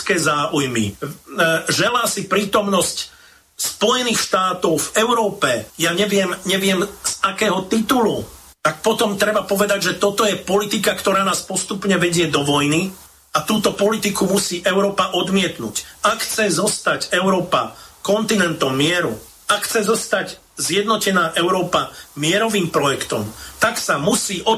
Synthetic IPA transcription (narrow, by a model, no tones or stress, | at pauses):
kɛːzaːʔujmḭ | ʒɛlaːsipɾiːt̪ɔmnɔsc | spɔjɛniːxʃt̪aːt̪ɔʊvɛʊɾɔːpɛjaɲɛʋɪɛmɲɛʋɪɛmz̥akɛːɦɔt̪it̪ulu | t̪ak̚pɔt̪ɔmt̪ɾɛbapɔʋɛd̪aɟʒɛt̪ɔt̪ɔjɛpɔlit̪ikakt̪ɔɾaːnaːspɔst̪upɲɛʋɛɟɪɛd̪ɔʋɔjni | at̪uːt̪ɔpɔlit̪ikumusiːʔɛʊɾɔːpaʔɔd̪mɪɛt̪nṵcakxt͡sɛzɔst̪acɛʊɾɔːpa̰kɔnt̪inɛnt̪ɔmːɪɛɾṵ | akxt͡sɛzɔst̪ac | zjɛd̪nɔcɛnaːʔɛʊɾɔːpamɪɛɾɔʋiːmpɾɔjɛkt̪ɔ̰mt̪aksamusiːʔɔ